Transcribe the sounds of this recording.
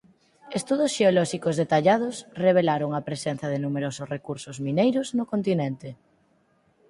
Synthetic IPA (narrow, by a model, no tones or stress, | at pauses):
est̪uðʊsʃeolɔʃikozðet̪aʎað̞ʊsreβ̞elaɾoŋɐpɾesɛn̟θjɐðɪnumeɾosʊsrekuɾsʊzminejɾʊznʊkont̪inɛnt̪ɪ